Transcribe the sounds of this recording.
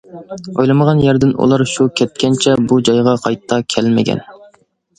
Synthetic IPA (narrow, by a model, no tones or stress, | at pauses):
ojlˠɨməʁɑnjæɾd̪ɪnṵlˠɑɾʃukʲʰɛt̪̚kʲɛnt͡ʃʰɛbud͡ʒɑjʁɑqʰɑjt̪ʰːɑkʲʰɛlmɪ̰ɡʲɛ̰n